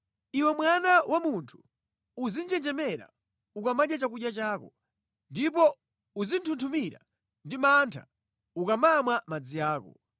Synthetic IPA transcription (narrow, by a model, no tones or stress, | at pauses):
iwɛmwanawʔamuntʰu̥ | uzind͡ʒɛnd͡ʒɛmɛɾa̰ | ukamaɗat͡ʃakuɗjat͡ʃaːkɔ | ndip̬ɔ | uzintʰuntʰumiɾa̰ | ndimantʰa | ukamamwamad͡zijaːkɔ̰